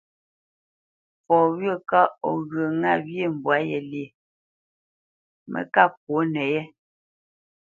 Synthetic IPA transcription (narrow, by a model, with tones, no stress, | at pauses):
fɔ˨wɰə˦˨ka˦ɔ˨ɣə˨ŋa˦˨bje˦˨m̩˨bwa˨˦jɛ˨le˨ | mʔə̰˨ka˦˨p̚wo˨˦nɛ˨jɛ˦